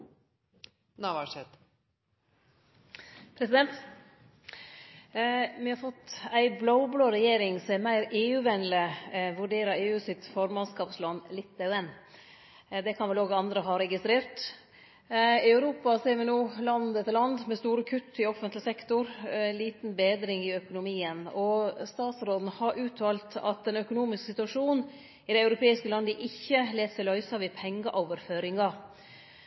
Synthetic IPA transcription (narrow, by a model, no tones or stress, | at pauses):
nɑʋɑʂɛt̪ | pʰɾɛsɪd̪ɛnt̪ | ʋɪhɑɾfɔt̪ːæɪblaʊbloːɾɛjeːɾɪŋsɔmæɾmæɪɾeːʉːʋɛnləʋʉɖeːɾɑeːʉːsɪt̪fɔɾmɑnskɑːpslɑnːlɪt̪ːæʉɛnː | d̪ɛkʰɑnʋɛloːɡɑnd̪ɾəɦɑɾɛɡɪst̪ɾeːɾt̪ | ɑʉɾuːpɑseːɾʋɪnuːlɑnd̪ɛt̪əlɑnd̪mɛst̪uːɾəkʰʉt̪ʰːɪɔfənt̪lɪsɛkt̪ʊɾliːt̪nbeːd̪ɾɪŋɪœkʊnʊmiːənɔst̪ɑːt̪sɾoːd̪nəhɑɾʔʉːt̪ʰʋɑːlt̪ʰɑ̰t̪̚d̪ɛnœkʊnuːmɪsksɪt̪ʉɑʂuːn | ɪd̪ɛɪɑʉɾʊpʰeːɪskəlɑnd̪əʔɪçːəleːssɪlœʏsɑʋɪpʰɛŋːəʔɔːʋəɾføːɾɪŋɑ